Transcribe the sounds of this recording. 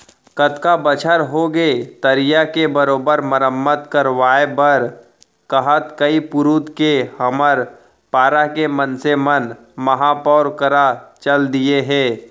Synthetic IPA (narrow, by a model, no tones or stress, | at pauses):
kət̪kabət͡ʃʰəɾɦoɡet̪əɾijakebəɾoːbəɾməɾəmːət̪kəɾʋaːebəɾ | kəɦət̪kəipʊɾuːt̪kehɐməɾ | paːɾakemənsemən | mɐɦapɔːɾkəɾat͡ʃəld̪ieɦɛ̃ː